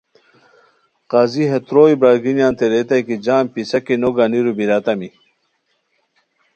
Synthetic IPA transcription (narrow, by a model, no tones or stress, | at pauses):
qaːziɦet̪ɾoːibɾaːɡinjaːnt̪eɾet̪ɐjkid͡ʑaːmpisɐkinoɡaniɾubiɾat̪ɐmi